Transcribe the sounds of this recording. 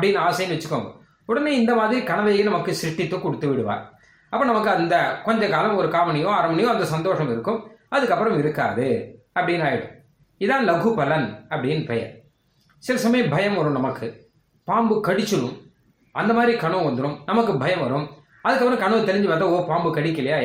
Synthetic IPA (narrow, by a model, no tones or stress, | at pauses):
ɐpːɐɽɪnːaːsɐjɐnʋɛɐt͡ʃːɯɾɯkːɐmɐ | ɔɽɐneːɪnd̪ɐmaːðɪɾikɐɳɐʋɐjɐjenɐmɐkːɯsɾɪʈːɪt̪ːɯkɔɽɯt̪ːɯʋɪɽɯʋa̰ːɾ | ɐpːoːnɐmɐk̬ːɯɐnd̪ɐkɔɲd͡ʒɐkaːlɐmɔɾɯkaːʋɐnɐɪjõːɐɾɐmɐɳɪjõːɐnd̪ɐsɐnd̪oːʂɐmɪɾɯkːɯmɐðɯkːɐpːɯɾɐmɪɾɯkːa̰ːðɯ | ɐpːɐɽɪnaːjɪɽɯ̰ | ɪðãːnlɐɣɯpɐlɐnɐpːɐɽɪjnpɐjɐ̰ | sɪɾɐsɐmɐjɐ̃mbʱɐjɐmʋɐɾɯmnɐmɐkːɯ | paːmbɯkɐɽɪt͡ʃːɯɾɯ̰m | ɐnd̪ɐmaːðɾikɐɳɐʋɐnd̪ɯɾɯmnɐmɐkːɯbʱɐjɐmʋɐɾɯm | ɐðɯkːɐpːɯɾɐ̃mkɐɳɐːt̪ɛlɪɲd͡ʒɯʋɐnd̪aːoːpaːmbɯkɐɽɪkːɪlɐjaː